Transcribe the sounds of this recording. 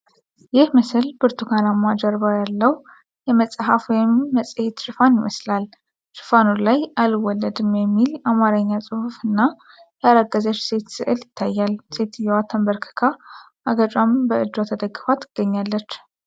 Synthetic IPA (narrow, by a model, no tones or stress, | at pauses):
jɪhmɨsɨlbɨɾt̪ʰukʰalamːad͡ʒəɾbajalːəw | jɛməsʼɦafwɔjɪmːəsʼhet̪ʃɨfanɪməslal | ʃɨ̥fanulajʔalɨwɔlːəd̪ɨmjɛmːilamaɾəɲːasʼɨhufɨnːa | jaɾaɡːəzət͡ʃːse̞t̪sɨ̰ʔɨljɪt̪ʰːajːalse̞t̪ɨjɛwat̪ʰəmbəɾkʰɨ̥kʰa | ʔaɡət͡ʃʼambəʔɨd̪ːat̪ʰəd̪əɡːɨfat̪ʰːɨ̥ɡ̥ːəɲːalːət͡ʃː